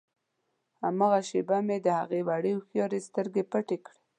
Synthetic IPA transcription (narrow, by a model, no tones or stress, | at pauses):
hamɑɣaʃebamed̪əha̰ɣewaɽəxjɑɾest̪əɾɡepəʈekɽe̥